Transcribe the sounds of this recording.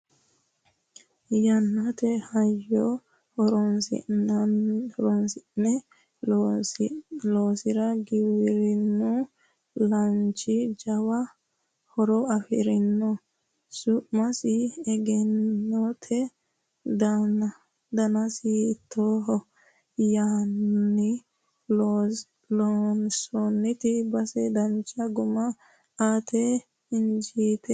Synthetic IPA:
jɐnːɐt̪ɛhɐjːɔ | hɔɾɔnsɪ̰ | hɔɾɔnsɪnɛ | loːsɪɾɐɡɪwɪɾɪnːu | lɐnt͡ʃɪd͡ʒɐwɐ | hɔɾɔɐfɪ̰ɾɪnːɔ | sʊʔmɐsɪɛɡɛnːɔt̪ʰɛ | d̪ | d̪ɐnɐsɪːt̪ʰːɔɦɔ | jaːnːɪ | lɔnsɔnːɪt̪ɪbɐsɛd̪ɐnt͡ʃɐɡʊmɐ | aːt̪ʰɛ | ɪnd͡ʒiːt̪ɛ

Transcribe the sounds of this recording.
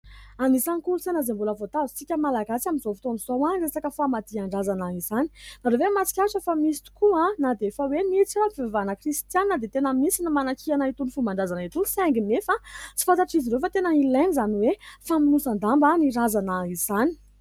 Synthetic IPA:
anisankulusanazembuləvot̪azi̥t͡sikʲəmalaɡasaminzofi̥t̪onuz̥owanresakəfamad̪iaɳɖ͡ʐazanəizani̥naɾovemat͡si̥kʲaʈ͡ʂəfamisi̥t̪u̥kuãnad̪efawenit͡siwapivavanəkrist̪janːəd̪et̪enəmisinəmanakianait̪unifumaɳɖ͡ʐazanit̪ulsaŋɡinefat͡si̥fant̪aʈ͡ʂiziɾofat̪enəilenizaniwefaminusand̪ambaniɾazanəizani̥

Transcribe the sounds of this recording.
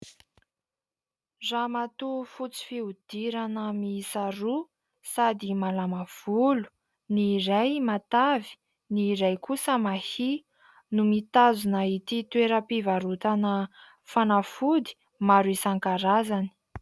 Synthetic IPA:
ramat̪ufut͡si̥fiud̪̥iɾanəmisaɾu | sad̪imalamav̥ulu̥ | nirajmat̪avi̥ | niɾajkusəmahi | numit̪azunait̪it̪weɾəpivaɾut̪anə | fanafud̪i̥ | maɾuisaŋkaɾazani̥

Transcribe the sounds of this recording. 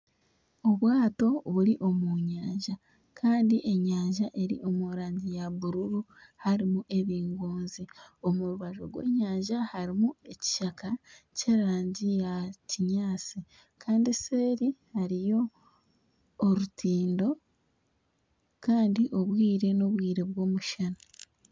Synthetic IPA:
o̞βwaːto̞βuɾiʔo̞muɲaːɲʒa | kʰaːndiʔe̞ɲaːɲʒaʔe̞ɾḭʔo̞muɾaːɲɟijaβuɾuɾuhaɾimuʔe̞βiːŋɡoːnzio̞muɾuβaʒo̞̰ɡwe̞̰ːɲaːɲʒahaɾimue̞ci̥ʃakaceɾɾaːɲɟijaciɲaːsi | kʰaːndiseːɾihaɾijo̞ | ɾutiːndo̞ | kaːndiʔo̞βwiːɾe̞no̞βwiːɾe̞βwo̞ːmuʃana

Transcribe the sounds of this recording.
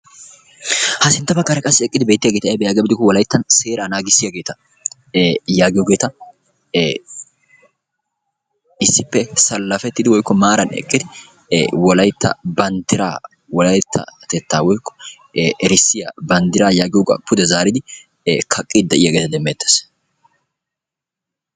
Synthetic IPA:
hɐsɪnt̪ːɐbɐkːɐɾɐkʼɐsːɪɛkʼːɪd̪ɪbe̞ːt̪ːɪjɐɡeːt̪ɐɛbɛjaːɡbɪd̪ɪkːɔwɔlɐjɪt̪ːɐnse̞ːɾaːnaːɡɪsːɪjɐɡe̞ːt̪ɐ | jaːɡɪjɔɡe̞ːt̪ɐ | ɪsːɪpːɛsɐlːɐfɛt̪ːɪd̪ɪwɔjkːɔmaːɾɐnɛ̰kʼːɪd̪ɪ | wɔlɐjt̪ːɐ̰bɐnt̪ɪɾa̰ː | wɔlɐjt̪ʰːɐ̰t̪ɛt̪ːaːwɔjkːɔ̥ | ɛɾɪsːɪjɐ̰bɐnd̪ɪɾaːjaːɡɪjɔɡʼɐ̰pʊd̪ɛzaːɾɪd̪ɪ | kʰɐkʼːid̪̚d̪ɐʔɪjɐɡe̞ːt̪ɐd̪ɛmːeːt̪ːe̥s

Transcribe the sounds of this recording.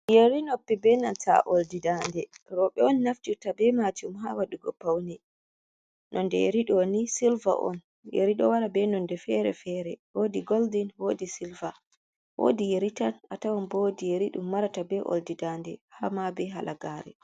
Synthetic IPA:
jeɾinopːibɛnanta̰ʔoldidandɛɾɔɓɛɔnːafd͡ʒutabɛmatumɦawaɗuɡɔpːawnɛ | nʔɔndɛ̰jeɾiɗɔnisilva̰ʔɔ̰n | jḛɾiɗɔwaɾabɛnɔndɛfɛɾɛ̰fɛɾɛwoːdiɡoldinwoːdisilva | wo̰ːdijeɾitanatawanbodijeɾiɗumːaɾatabɛʔo̰ldidandɛhamabɛɦalʔaɡaːɾɛ̰

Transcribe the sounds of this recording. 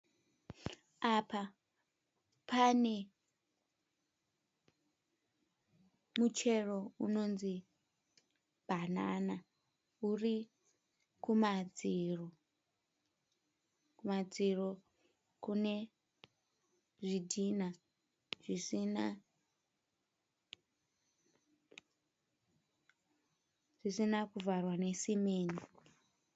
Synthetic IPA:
apa | pʰane̞ | mut͡ʃe̞ro̞uno̞nzi | b̥ʱanana | uri | kumad͡ziro | kumad͡ziro̞ | kune | ʐidʱina | ʐisina | ʐ̥isinakuvarwane̞simeːni

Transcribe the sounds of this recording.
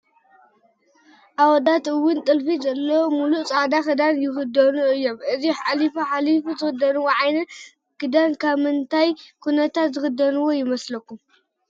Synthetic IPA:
ʔawɔd̪at̪ɨwːʊnt̪ʼɨlfizɐlːɐwomuluʔt͡sʼaʕd̪axɨd̪anjɪxɨd̪ɐnuɨjːo̞mʔɨziħalifoħalifuzɨxɨd̪ɐnuwoʕajnɐ | kɨd̪ankʰaβmɨnt̪ʰajkʰunɐt̪ʰat̪zɨxɨd̪ɐnuwo̞jɪmɐslɐkːum

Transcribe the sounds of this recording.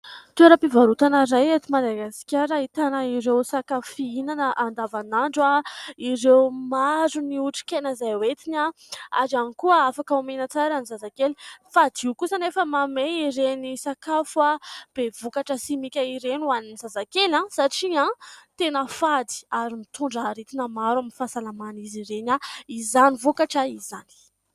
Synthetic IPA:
t̪eɾəpivaɾut̪anəɾajet̪imad̪aɡasi̥kʲaɾaɦit̪anəiɾewsakafiinanəʔand̪avanaɳɖ͡ʐaiɾewmazuniuʈ͡ʂi̥kʲenəzajwet̪ina | a̰zanikuəafakaumenat͡saɾanizazakelifad̪iukusənefəmameiɾenisakafwab̥evokaʈ͡ʂəsimikʲaiɾenuaninzazakelãsaʈ͡ʂiãt̪enəfad̪i̥aɾimit̪uɳɖ͡ʐaɾet̪inəmaɾwaminfasalamaniziɾenaizanivokaʈ͡ʂaizani̥

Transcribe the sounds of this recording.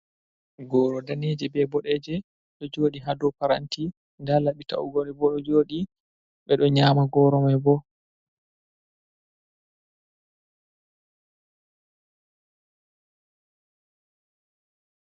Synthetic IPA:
ɡɔːɾɔdaned͡ʒɛbɛbɔɗɛd͡ʒɛ | ɗɔd͡ʒoːɗiɦadɔpaɾa̰nti | ndalaɓita̰uɡɔɗɛbɔɗɔd͡ʒoːɗi | ɓɛɗɔɲaːmaɡɔːɾɔmajbɔ

